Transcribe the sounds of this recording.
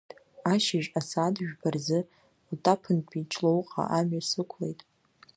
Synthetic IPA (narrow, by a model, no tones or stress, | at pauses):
aʃɪʒasadʒᶣbarzɨ | ltʰʼapʰɨnpʰʼit͡ʃʰlowqʼa̰ʔamɥasɨkʷʰlḛjtʼ